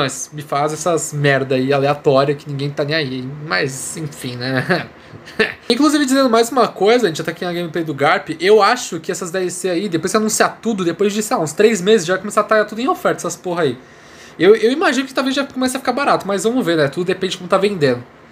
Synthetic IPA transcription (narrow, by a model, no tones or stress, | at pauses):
mɐsmɪfazɛsɐmɛɾd̪ɐialeat̪ɔɾiɐkɪnĩɡẽj̃t̪anẽj̃aiimajzzẽfĩnɛ | ĩŋkluzivɪd͡ʒizẽnd̪ʊmajzũmɐkojzɐʒẽt͡ʃɪʒat̪akĩnɐɡẽmɪplejd̪ʊɡaɾpɪʔewaʃʊkɪɛsɐzd̪ɛvẽseɾaid̪epojswanũsiaɾt̪ud̪ʊd̪epojzd͡ʒisaaũst̪ɾejzmezɪzʒavajkomesaɾat̪ɾaɡat̪ud̪ʊẽj̃ofɛɾt̪ɐɛsɐ̥poɦɐai | ewewimaʒĩnʊkɪt̪awvezʒakomɛsɐfi̥kaɾbaɾat̪ʊmɐzvɐ̃mʊveɾnɛt̪ud̪ʊd̪epẽd͡ʒɪkõmʊt̪avẽnd̪ẽnʊ